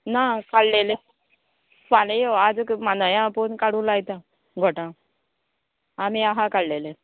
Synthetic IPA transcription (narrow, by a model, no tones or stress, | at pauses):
nakallele | panejoad͡zkmanəjãponkaɽũlajt̪ã | ɡʱoʈã | amĩaɦakaɭlele